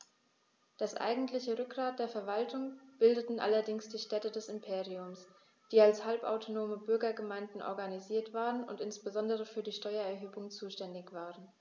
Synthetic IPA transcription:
d̥asʔa̰ɪɡŋ̩tlɪçəʁʏk̚ɡ̥ʁ̥aːt̚d̥eːɐfɛɐvaltʰʊŋb̥ɪldətn̩ʔa̰lɐdɪŋsd̥iːʃtɛtədɛsɪmpʰeːʁiʊms | d̥iːalshalpʔa̰ʊtʰonoːməbʏɐɡɐɡəmaɪndn̩ʔɔ̰ɐɡaniziːɐtv̥aːʁənʊ̰ntɪnsb̥əzɔndəʁ̞əfyːɐdiːʃtɔʏɐɛɐɦøːbʊŋt͡suːʃtɛndɪçv̥aːʁən

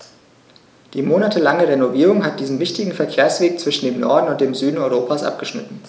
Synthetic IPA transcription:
d̥iːmoːnatʰəlaŋəʁenoviːʁ̞ʊŋɦat̚d̥iːzn̩vɪçtɪɡŋ̩fɛɐkʰeːɐsv̥eːk̚t͡sv̥ɪʃn̩deːmnɔɐdn̩ʊnt̚d̥eːmzyːdn̩ɔʏʁoːpʰaːsʔa̰p̚ɡ̥əʃnɪ̰tn̩

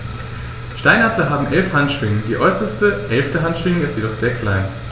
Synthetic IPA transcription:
ʃtaɪnatlɐɦaːbm̩ʔɛlfhantʃv̥ɪŋədiːʔɔʏsɐstəʔɛlftəɦantʃv̥ɪŋəɪstjedɔχz̥eːɐkʰl̥aɪn

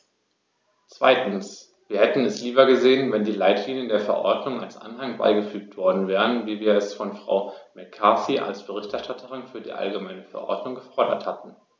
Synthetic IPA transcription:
t͡sv̥a̰ɪtn̩s | v̥iːɐhɛtn̩ɛsliːbɐɡəzeːənvɛndiːlaɪtʰliːnjəndeːɐfɛɐʔɔ̰ɐdnʊŋalsʔa̰nhaŋba̰ɪɡəfyːk̚tv̥ɔɐdn̩vɛːʁənviːviːɐɛsfɔnfʁ̥a̰ʊmɛkʰːaːsiʔa̰lsb̥əʁɪçtɛɐʃtatʰəʁɪnfyːɐdḭːʔa̰lɡəmaɪnəfɛɐʔɔ̰ɐdnʊŋɡəfɔɐdɐ̰thatn̩

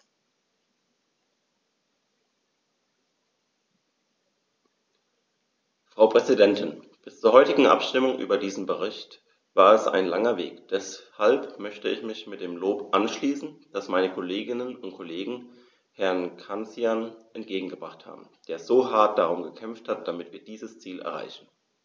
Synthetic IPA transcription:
fʁ̥aʊpʁ̥ɛzidɛntɪn | b̥ɪst͡suːɐhɔʏtɪɡŋ̩ʔa̰pʃtɪmʊŋʔy̰ːbɐdiːzn̩bəʁ̞ɪçt | v̥aːɐɛsa̰ɪnlaŋɐvḛːkd̥ɛshalpmœçtəɪ̰çmɪçmɪt̚d̥eːmloːpʔanʃliːsn̩d̥asmaɪnəkʰoleːɡɪnənʊntkʰoleːɡŋ̩ | hɛɐnkʰant͡sjanʔɛntɡ̥eːɡŋ̩ɡəb̥ʁaχtha̰ːbm̩d̥eːɐzoːɦaɐt̚d̥aʁ̞ʊmɡəkʰɛmfthat̚d̥amɪtv̥iːɐd̥iːzəst͡siːlɛ̰ɐʁa̰ɪçn̩

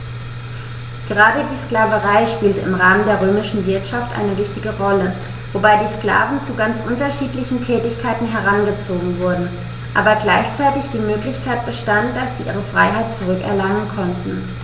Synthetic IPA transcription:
ɡ̥əʁaːdədiːsklaːvəʁaɪʃpiːltəɪmʁaːməndeːɐʁ̞øːmɪʃn̩vɪɐtʃaftʔa̰ɪnəvɪçtɪɡəʁɔlə | vobaɪdiːskla̰ːvn̩t͡suɡant͡sʔʊntɐʃiːtlɪçn̩tʰɛːtɪçkʰaɪtn̩ɦɛɐʁ̞anɡət͡soːɡŋ̩vʊɐdn̩ | ʔaːbɐɡlaɪçt͡saɪtɪçd̥iːmøːklɪçkʰaɪt̚b̥əʃtantd̥asz̥iːʔiːʁ̞əfʁ̥aɪɦaɪt̚t͡suʁʏkɛ̰ɐlaŋənkʰɔntn̩

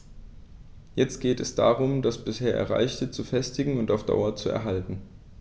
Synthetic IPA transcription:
jɛt͡st̚ɡ̥eːtɛsd̥a̰ːʁʊmdasb̥ɪsheːɐʔɛ̰ɐʁa̰ɪçtət͡sufɛstɪɡŋ̩ʊntaʊfd̥a̰ʊɐt͡suɛ̰ɐɦaltn̩

